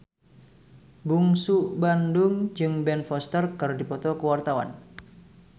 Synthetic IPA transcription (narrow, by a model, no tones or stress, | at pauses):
buŋsuʔbandʊŋd͡ʒɨŋbɛnfɔst̪ərkaɾodipɔt̪ɔkəwart̪awa̰n